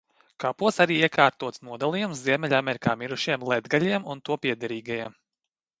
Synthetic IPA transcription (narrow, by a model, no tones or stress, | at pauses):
kapuɔsaɾiːiɛkʰaːɾt̪uɔt̪snuɔd̪alˠijumsziɛmɛʎʲamʲɛɾikaːmiɾuʃiɛmlˠɛd̪ɡalʲiɛmunt̪uɔpʲiɛd̪ɛɾiːɡajiɛm